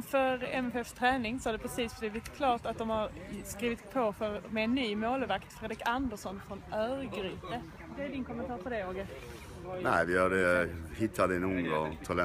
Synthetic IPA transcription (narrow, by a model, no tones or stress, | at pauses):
fœɾɛmɛfɛfst̪ʰɾɛːnɪŋsɔad̪ɛpʰɾɛsiːsbb̪ɪːvɪt̪kʰlɑːʈ̪at̪̚d̪ɔmhaɾskɾiːvɪt̪pʰɔfœɾmɛːnːyːmoːlvakt̪fɾeːd̪ɾɪkand̪əʂɔnfɾɔnœːɾɡɾiːt̪ə | d̪ɛæɖɪnkʰɔmːənt̪ʰɑːɾpʰɔd̪ɛoːɡə | næɪʋɪjøːɖɛhɪt̪ʰːad̪ɛnuːŋɡ̪ɑt̪ʰɔlɛ